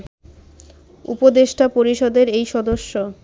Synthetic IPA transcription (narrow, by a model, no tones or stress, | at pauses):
ṵpod̪eʃʈapoɾiʃɔd̪eɾejʃɔd̪oʃːo